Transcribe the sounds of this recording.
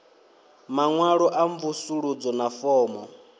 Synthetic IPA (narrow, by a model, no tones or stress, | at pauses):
maŋwaɺɔʔaɱvusuɺud͡zɔnafɔːmɔ